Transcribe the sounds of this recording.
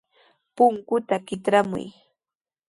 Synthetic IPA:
pʊŋkʊt̪akɪt̪ɾamʊ̰j

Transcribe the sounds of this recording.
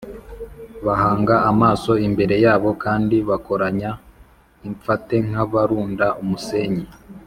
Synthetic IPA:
βahaːŋɡaamaːso̞imbe̞ɾe̞jaːβo̞kaːndiβako̞ɾaɲa | iɱp͡fate̞ŋ̥haβaɾuːndaʔumuse̞ːɲi

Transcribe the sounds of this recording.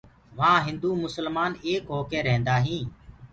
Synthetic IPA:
ʋãːɦɪ̃nd̪uːmʊsəlmaːneːkɦoːkeːɾɛ̃ːnd̪aːɦĩː

